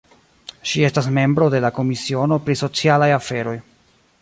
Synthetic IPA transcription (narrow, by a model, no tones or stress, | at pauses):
ʃie̞stasme̞mbɾo̞de̞lako̞misio̞no̞pɾiso̞t͡sialajafe̞ɾo̞j